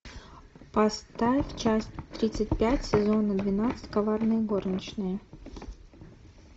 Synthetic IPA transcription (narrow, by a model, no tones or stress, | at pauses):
pɐst̪afʲt͡ɕasʲt̪ɾʲit̪sɨtʲpʲætʲsʲɪzo̞nəd̪vʲɪnat̪sɨ̥tʲkavarnɨjəɡornʲət͡ɕnɨjə